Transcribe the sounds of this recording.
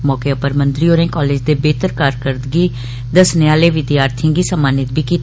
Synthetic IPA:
mɔːkeːəpəɾmə̃nt̪ɾiːoːnẽːkɔːleːd͡ʒd̪eːbeːt̪əɾkaːɾkəɾd̪ɡiː | d̪əsneːaːleːʋɪd̪jaːɾt̪ʰːɡiːsəmaːnɪt̪̚bʱiːkiːt̪

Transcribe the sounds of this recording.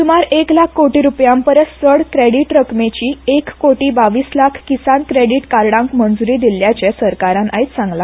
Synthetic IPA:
sumaɾeklakʰːkoʈiɾupjampəɾət̪səɽkɾeɽiʈɾəkmet͡ɕiːekːoʈiːbaʋiːslakʰkisankɾeɽiʈkaɾɽãŋkmənd͡zuɾiːd̪ilːjat͡ɕesəɾkaɾãnait̪sãŋɡla

